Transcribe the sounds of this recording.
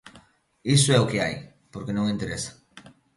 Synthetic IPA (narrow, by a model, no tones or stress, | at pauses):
isoɛʊkea̰j | poɾkenõŋẽnt̪eɾesḁ